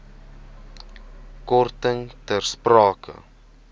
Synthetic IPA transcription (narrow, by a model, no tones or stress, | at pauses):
kɔrtəŋtərsprɑːkʰə̰